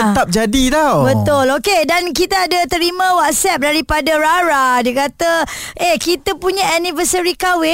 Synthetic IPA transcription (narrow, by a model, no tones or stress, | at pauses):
ət̪ap̚d͡ʒadit̪awbət̪ʊlokedankit̪aːdat̪əɾimãwat̪̚sɛp̚daɾipadaɾaɾadiəkat̪əʔehkit̪apuɲãanĩfəsəɾikawɪ